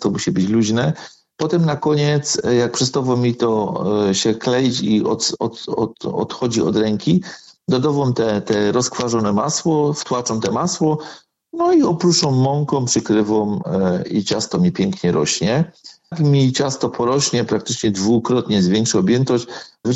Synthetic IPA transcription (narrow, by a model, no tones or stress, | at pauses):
t̪ɔmuɕibɘt͡ɕluʑnɛ | pɔt̪ɛmnakɔɲɛt̪sjak̚pʂɛst̪avɔmʲit̪ɔɕɛklɛjt͡ɕiɔ̰t̪ɔ̰t̪ɔɔ̰t̪xɔd͡ʑiɔ̰d̪ɾɛŋkʲid̪ɔd̪ɔvɔmt̪ɛt̪ɛɾɔskfaʐɔnɛmaswɔft̪wat͡ʂɔmt̪ɛmaswɔ | nɔiɔpɾuɔ̃mːɔŋkɔ̃mpʂɘkɾɘvɔmḭt͡ɕast̪ɔmʲɲɛpʲjɛŋkɲɛɾɔɕɲɛ | kmʲit͡ɕast̪ɔpʰɔɾɔɕɲɛpɾakt̪ɘt͡ʂɲɛd̪vukɾɔt̪ɲɛzvʲjɛŋkʂɔɔbʲjɛnt̪ɔɕt͡ɕv